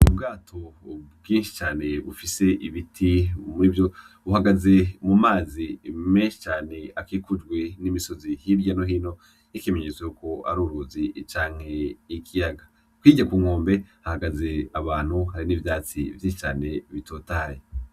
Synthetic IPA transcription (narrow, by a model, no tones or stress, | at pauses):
ubɡaːtʰo̞bɡĩːnʃi̥t͡ʃaːne̞βufise̞ʔiβitʰimiːvjo̞ | βuhaɡaze̞mumaːzimeːnʃi̥t͡ʃaːne̞akiːkud͡ʒɡwe̞nimiso̞zihiɾɟanoɦino̞ | ikemeɲet͡swejuko̞a̰ɾuːɾuːzit͡ʃaːŋ̥he̞ikʰijaɡa | kwiːɟakuːŋoːmbe̞hahaɡaze̞aβaːn̥huɦaɾinivjaːt͡sḭvjiːnʃi̥t͡ʃaːne̞βitʰoːtaːje